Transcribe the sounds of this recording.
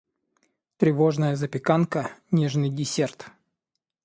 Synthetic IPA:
t̪ɾʲɪvo̞ʐnəjəzəpʲɪkankənʲeʐnɨjdʲɪsʲert̪

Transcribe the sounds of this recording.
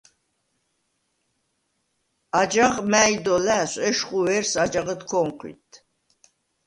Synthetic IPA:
ad͡ʒaʁmæːjd̪ɔlæsʼɛʃχuwɛɾsad͡ʒaʁət̪kʰɔmqʰḭt̪ʰ

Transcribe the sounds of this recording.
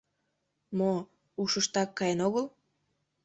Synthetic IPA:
mo | uʃəʃt̪ɑkːɑjenoɣəl

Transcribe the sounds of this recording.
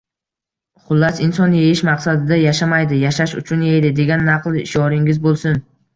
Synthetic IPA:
χʊlːasɪnsɒnjejɪʃmaqsad̪ɪd̪ajaʃamajd̪ɪjaʃaʃʊ̰t͡ʃʰʊnjejd̪ɪd̪e̞ɡʲanːɑqlˠɪʃɒɾɪŋɪzbolˠsʊn

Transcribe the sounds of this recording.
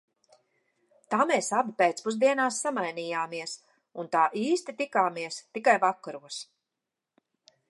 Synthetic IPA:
t̪aːmeːsabipeːt̪spuzd̪iɛnaːsːamajniːjaːmiɛs | unt̪aːʔiːst̪it̪ikaːmiɛst̪ikajvakːaɾuɔs

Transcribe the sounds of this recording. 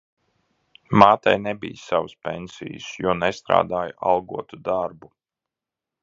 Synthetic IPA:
maːt̪ajnebijsawuspḛnʲsḭjṵsjuɔnɛst̪ɾa̰ːd̪aːjʔalˠɡuɔt̪ud̪aɾbu

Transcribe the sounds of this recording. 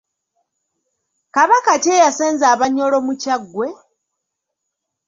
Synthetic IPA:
kaβakacejaseːnzaːβaɲo̞lo̞mucaɡːwe̞

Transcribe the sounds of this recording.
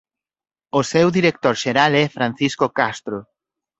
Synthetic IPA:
osɛwðiɾek̚t̪oɾʃeɾalɛfɾãn̟θiskokast̪ɾo

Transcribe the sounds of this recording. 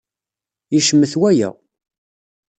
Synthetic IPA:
iʃəmːəθwæjæ̰

